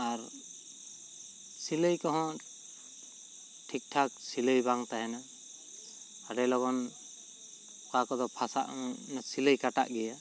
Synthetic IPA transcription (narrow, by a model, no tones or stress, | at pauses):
aɾ | siləjkɔɦɔ̃ | ʈʰik̚ʈʰak̚siləjbaŋt̪aɦɛna | aɾɛlɔɡɔn | kakɔd̪ɔpʰasa̰ʔnasiləjkaʈa̰ʔɡɛja